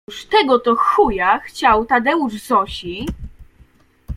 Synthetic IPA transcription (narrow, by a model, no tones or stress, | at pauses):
ʂt̪ɛɡɔt̪ɔxujaxt͡ɕawt̪ad̪ɛuʐzɔɕi